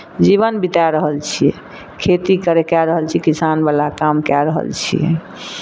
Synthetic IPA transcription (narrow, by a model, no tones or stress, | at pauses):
d͡ʒiβənbit̪aɾəɦəlt͡ʃʰijɛ̰ | kʰet̪ikəɾekɛɾəɦəlt͡ʃʰikisanbalakamkɛɾəɦə̰lt͡ʃʰḭjɛ̰